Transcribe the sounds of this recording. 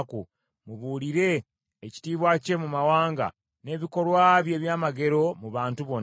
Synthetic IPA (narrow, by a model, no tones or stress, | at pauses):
ku | muβuːliɾe̞ː | ci̥tiːβwace̞mumawaːŋɡa̰ | ne̞ːβiko̞lwaβje̞ːβjaːmaɡe̞ɾo̞muβaːntuβo̞n